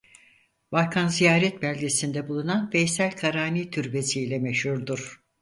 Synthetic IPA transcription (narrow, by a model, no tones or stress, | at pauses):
balˠkʰanzijaːɾɛt̪̚bælʲɡʲesind̪ɛbulˠunanfɛjsælʲkʰaɾaːniːt̪ʰyɾbesiːlʲɛmɛʃhuɾd̪uɾ̥